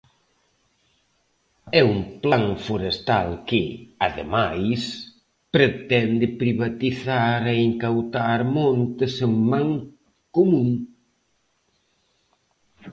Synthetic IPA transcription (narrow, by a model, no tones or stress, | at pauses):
ɛumplaŋfoɾest̪a̰lkɪaðḛmajs | pɾet̪ɛnd̪ɪpɾiβat̪iθaɾeeŋkawt̪aɾmɔ̃nt̪ɪseŋmaŋ | komũŋ